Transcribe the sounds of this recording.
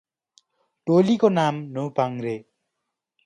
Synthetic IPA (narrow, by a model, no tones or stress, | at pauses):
ʈolikonamnopaŋɾe